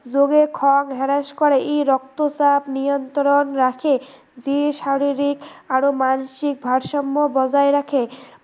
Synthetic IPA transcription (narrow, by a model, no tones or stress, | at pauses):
d͡ʑoɡekʰɔŋɦɛɾaʃkɔɾeʔejɾɔkt̪osabnijont̪ɾonɾakʰe | d͡ʑeʃaɾiɾikaɾomanʃik̚bʱaɾʃɔmːobɔd͡ʑaeɾakʰe